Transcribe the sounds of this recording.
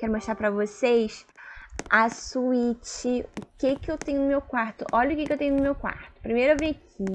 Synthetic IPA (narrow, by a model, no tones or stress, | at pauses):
kɛɾʊmoʃt̪ɾaɾpɾɐvosejs | ɐsuit͡ʃɪʊkekɪewt̪ẽɲʊnʊmewkwaɾt̪ʊʔɔʎɐʊkɪkɪewt̪ẽɲ̃ʊnʊmewkwa̰ɾt̪ʊ̥pɾimejɾʊewvĩɐkʰi